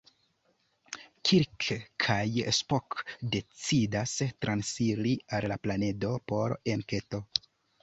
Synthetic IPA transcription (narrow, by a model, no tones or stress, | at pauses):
kʰiɾkʰkʰajespokde̞t͡sidastɾansiɾiallaplane̞do̞po̞ɾe̞nke̞to̞